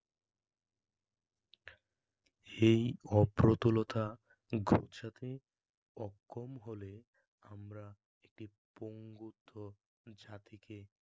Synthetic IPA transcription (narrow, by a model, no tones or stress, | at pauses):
ejɔpɾot̪olot̪ʰa | ɡʱo̰ʃat̪e | ɔkːomɦole | amɾa | ek̚ʈi | poŋɡut̪ʰːo | d͡ʑat̪ike